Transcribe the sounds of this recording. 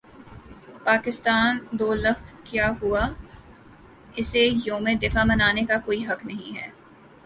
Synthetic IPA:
paːkɪst̪aːnd̪oːlɐxt̪kjaːɦua | ɪsejõːmẽd̪ɪfabɐnaːnekakoːiɦɐknɐɦĩɦɛ̰ː

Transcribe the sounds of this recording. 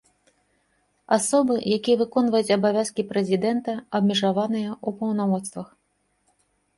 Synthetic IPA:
asɔbɨjakʲijɐvɨkɔnvɐjut͡sʲɐbavʲaskʲipɾɛzʲid̪ɛnt̪ɐɐbmʲiʐavanɨjɐupɐwnamɔt̪st̪vɐx

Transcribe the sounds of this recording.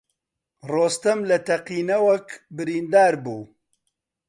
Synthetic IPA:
roːst̪ɐmlɐt̪ɐqiːnɐwɐkbɨɾiːnd̪aːɾbuː

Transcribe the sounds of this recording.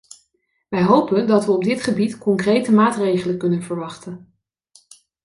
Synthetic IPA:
ʋɛjɦowpəndɑtʋəɔb̚dɪtχəbitkɔŋkrejtəmaːtrejχələkɵnənvəɹʋɑχtən

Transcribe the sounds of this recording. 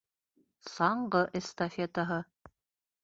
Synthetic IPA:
sɑɴɢɤʔest̪ɐfʲet̪əɦɤ

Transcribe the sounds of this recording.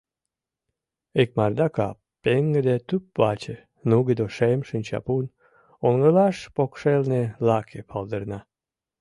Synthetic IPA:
ek̚mɑrd̪ɑkɑ | peŋɡə̆d̪et̪ypβɑt͡ɕe | nuɡed̪oʃemʃənʲt͡ɕɑ̰pun | onɡəlɑʃpokʃelnelɑkʰepʰɑlˠd̪ərnɑ

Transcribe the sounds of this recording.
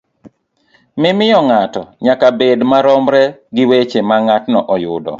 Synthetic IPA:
mɪmɪjɔŋatɔɲakabedmaɾɔmɾɛɡɪwet͡ʃemaŋatnɔʔɔjʊdɔ̰

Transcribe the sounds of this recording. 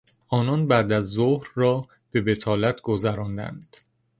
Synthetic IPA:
ʔɒːnɒːnbæd̪æzːohɾːɒː | b̥e̞be̞t̪ʰɒːlæt̪ʰɡozæɾɒːnd̪æ̰nd̪̥

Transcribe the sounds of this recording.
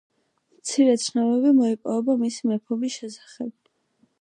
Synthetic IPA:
mt̪sʰiɾɛt̪sʰnavɛbimɔipʼɔvɛbamisimɛpʰɔbisʃɛsḁχɛb̚

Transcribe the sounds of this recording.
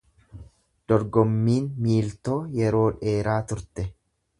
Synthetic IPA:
d̪̥ɔɾɡɔmːiːnmiːlt̪o̞ːjɛɾo̞ːᶑe̞ːɾaːt̪ʊɾt̪ɛ

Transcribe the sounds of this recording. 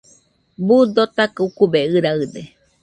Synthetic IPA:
bud̪ot̪akɨukubeɨɾaɨd̪e

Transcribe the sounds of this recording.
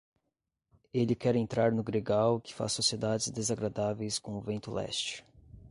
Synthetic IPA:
elɪkɛɾẽnt̪ɾaɾnʊɡɾeɡawkɪ̥fa̰ssːosied̪ad͡ʒɪzd̪ezaɡɾad̪avejskõʊvẽnt̪ʊlɛ̰st͡ʃ

